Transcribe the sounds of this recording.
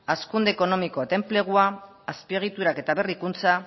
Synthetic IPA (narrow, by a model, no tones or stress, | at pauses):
askund̪eːko̞no̞miko̞t̪e̞mple̞ɣ̞uaː | spieɣ̞it̪uɾake̞t̪aβe̞rikunt͡sa